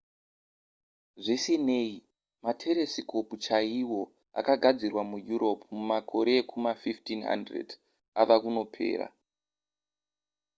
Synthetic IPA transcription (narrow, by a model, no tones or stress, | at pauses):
ʐisine̞i | matʰe̞ɾe̞sikʰo̞put͡ʃaiwo̞ | a̰kaɡʱad͡zirwamujuɾo̞pʰmumakʰo̞ɾekʰumafiftinɦa̰ndrḛd | aʋakuno̞pʰe̞̰ːra̰